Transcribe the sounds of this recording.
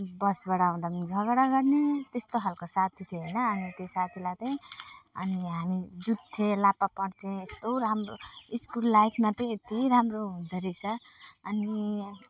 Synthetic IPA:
bʌsbʌɽaũd̪amd͡zʱʌɡɽaɡʌrnet̪est̪oɦalkosat̪ʰit̪ʰeɦʌjnʌːnit̪esat̪ʰilat̪ẽʌ̰niɦamid͡zud̪t̪ʰẽlapːapʌɽt̪ʰẽest̪oɾamroiskulːajkʰmat̪rʌ̃et̪iɾamroɦũd̪ʱeɾikt͡sʰʌʌni

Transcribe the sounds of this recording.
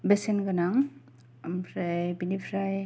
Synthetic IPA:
besenɡanaŋ | ampʰɾajbinipʰɾaj

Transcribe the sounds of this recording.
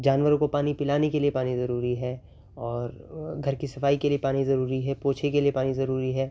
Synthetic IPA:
d͡ʒaːnʋəɾõkopaːnipɪlaːnekeliepaːnizɐɾuːɾiɦɛː | ɔːɾɡʱɐɾkisɐfaːikeliepaːnizɐɾuːɾiɦɛpoːt͡ʃʰekelijepaːnizɐɾuːɾiɦɛː

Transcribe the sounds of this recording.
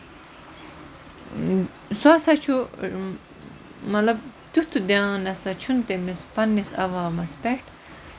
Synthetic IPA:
swaːsɐt͡ʃʰu | mɐlɐb̚d̪ut̪ʰud̪ãnɐsɐt͡ʃʰunt̪emispɐnːisɐ̰ʋaːmɐspeʈ

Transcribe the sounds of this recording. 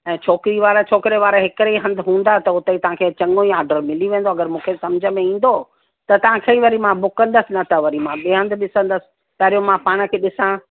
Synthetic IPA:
ɛ̃ːt͡ɕʰoːkɪɾiʋaːɾat͡ɕʰoːkɪɾeʋaːɾaɦɪkɪɾeiɦɐ̃nd̪ʱɪɦũːn̆d̪at̪ɐʊt̪eit̪ɐʋ̤ãkʰeːt͡ɕɐ̃ŋɡoĩaːɖəɾmɪliʋẽːn̆doɐɡəɾmũːkʰesɐmd͡ʑʱə̆mẽĩːn̆d̪o | t̪ɐt̪ɐʋ̤ãkʰeiʋɐɾimãbʊkə̃nd̪əsɪnɐt̪ʰɐʋɐɾimãɓiːɦə̃nd̪ʱɓɪsə̃nd̪əsɪ̥̆ | t̪ɐːɾijõmãpaːɽ̃ə̆kʰeːɗɪsã

